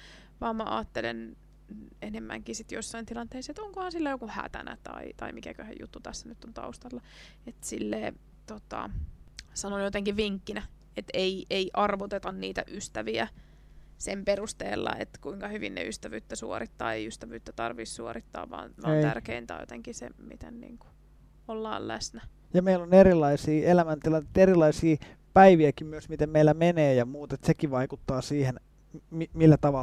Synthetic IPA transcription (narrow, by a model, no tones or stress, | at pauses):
ʋɑːmmæʔɑ̰ːt̪ːelḛn | enemːæ̰ŋkiːsit̪josːɑint̪ilɑnt̪eisːet̪oŋkohɑnsilːæjokuhæ̰t̪æ̰næ̰t̪ɑ̰it̪ɑimikækøhḛjṵt̪ːut̪æsːænyt̪ːont̪ɑ̰ust̪ɑlːɑ | et̪silːeː | t̪ot̪ɑ̰ | sɑnonjot̪eŋkiʋʋiŋkːinæ | et̪eiʔeiʔɑrʋot̪et̪ɑnniːt̪æʔyst̪æʋiæ | semperust̪ḛːlːɑ̰ḛt̪kuiŋkɑhyʋḭnnḛyst̪æʋy̰ːt̪ːæsuorit̪ːɑ̰ːeiyst̪æʋyːt̪ːæt̪ɑrʋiːssuorit̪ːɑ̰ːʋʋɑ̰ːnʋɑːej̪æ̰rkeint̪æ̰jo̰t̪eŋkisḛmit̪ḛnnḭːŋku̥ | olːɑ̰ːllæ̰snæ | jɑmeiloneɾilːˑɑisiːelæmænt̪ilɑnːet̪erilˑɑisiː | pæiʋiækimmyøsmit̪emmeilːæmeneːjɑmuːt̪et̪sekiʋɑikut̪ːɑːsiːhen | mimilːæt̪ɑʋɑ